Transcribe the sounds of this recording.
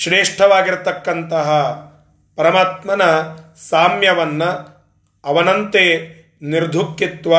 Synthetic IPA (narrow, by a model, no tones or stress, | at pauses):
ʃɾeːʂʈʰɐʋaːɡiɾt̪ɐkːɐnt̪ɐɦɐ | pɐɾɐmaːt̪mɐnɐ | saːmjɐʋɐnːɐː | ʋɐnɐnt̪eː | niɾd̪ʱukːit̪ʋɐ